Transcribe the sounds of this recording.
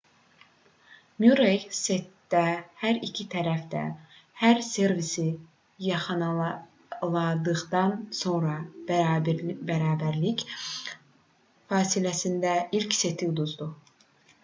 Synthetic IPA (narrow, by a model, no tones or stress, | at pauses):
mjuɾejse̞t̪ːæhæɾicʰit̪ʰæɾæfd̪æ̰hæɾse̞ɾvisi | jɑχɯnɑ | lˠɑd̪ɯʁd̪ɑnso̞nɾɑ | bæɾɑːbæɾlic | fɑːsilæsind̪æilcse̞t̪ʰid̪uzd̪u